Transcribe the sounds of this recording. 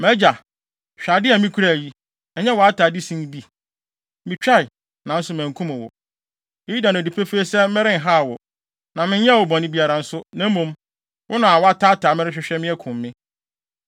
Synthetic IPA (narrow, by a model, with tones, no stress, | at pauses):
mɛ̃˦d͡ʑa˨ | ɕᶣa˨dɪ˦ɛ˨mĩ˦kʰu˦ɾæ˨ji˦ | ɛ˨ɲɛ̃˦wɔ˨a˦taː˨dɪ˦sĩ˦n˦bi˦ | mɪ̃˨t͡ɕᶣa˦ɪ˨ | nã˨n̩˦sʊ˦mæ̃˨ŋ˨kʰũ˦mʊ̃˨wɔ̰˨ | e˦ji˦da˨nʊ̃˨di˨pʰe˦feː˦sɛ˦m̩˦ɛ˦ɾɪ̃˦n̩˨ɦa˦˨wɔ˨ | nã˨mɪ̃˦ɲ˦ɲɛ˦˨wɔ˨bɔ̃˨nɪ̃˦bi˦a˨ɾa˨n̩˦sʊ˦nã˨˦m̩˦mũ˦m | wʔʊ˦nʊ̃˨a˨wɔ˦a˦tʰaː˦taː˨mɪ˦ɾɪ˦ɕᶣɪ˦ɕᶣɛ˦mɪ̃˦ɛ˦kʰʊ̃˨mː˦ɪ̃˦